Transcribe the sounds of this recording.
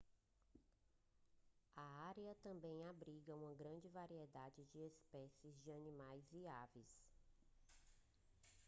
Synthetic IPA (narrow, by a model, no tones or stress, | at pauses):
ɐaɾeɐt̪ɐ̃mbẽj̃abɾiɡɐũmɐɡɾɐ̃nd͡ʒɪvaɾied̪ad͡ʒɪd͡ʒɪespɛsɪzd͡ʒɪɐnĩmajzviaves